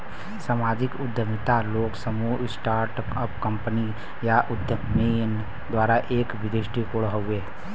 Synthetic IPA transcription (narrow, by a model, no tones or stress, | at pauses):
samaːd͡ʒɪkʊd̪ʱjəmɪt̪aloːksəmusʈaːɾʈ | əpkə̃mpəni | jaʔʊd̪ʱjəmen | d̪waːɾaʔeːkʋɪd̪ɪsʈikoɽɦoʊeː